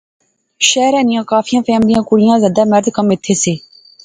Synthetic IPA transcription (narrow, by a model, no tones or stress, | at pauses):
ʃɛːɾɛːnɪjãːkaːfʰijãːfʰɛːmlɪjãːkʊɽɪjãːzaːd̪aːməɾd̪kəmɪt̪ʰːeːseː